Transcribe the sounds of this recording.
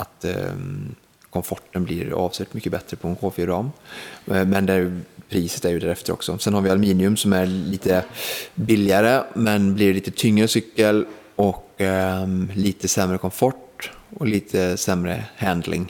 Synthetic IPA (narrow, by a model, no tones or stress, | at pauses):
at̪ | kʰɔmfɔʈːənblɪ̰ɾɑ̰ːvslʉːt̪mʏkːəbɛt̪ɾəpʰɔɛnkʰoːfɪɾɑːm | mɛnd̪ɛpʰɾiːsə̥t̪æɾjɵd̪æːɾɛft̪əɾɔ̰ksɔ̰sɛnhaɾvɪalmiːnɪɵmsɔmæɾliːt̪ʰəbɪlːɪaɾəmɛnblɪɭiːt̪ət̪ʰʏŋːɾəsʏkːəl | ɔk | liːt̪əsɛmɾəkʰɔmfɔʈɔliːt̪ʰəsɛmɾə̰hænd̪lɪ̰ŋ